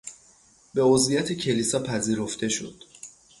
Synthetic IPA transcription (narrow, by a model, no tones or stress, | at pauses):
be̞ozvijæt̪ʰecʰe̞lisɒpʰæziːɾo̞ft̪e̞ʃo̰d̪̥